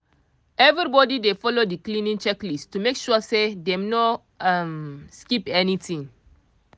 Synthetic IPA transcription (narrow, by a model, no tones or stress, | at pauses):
ɛvɾibɔdidefɔlodiklĩnĩnt͡ʃɛklistumekʃuasedɛ̃mnɔ | amskipɛnitĩŋ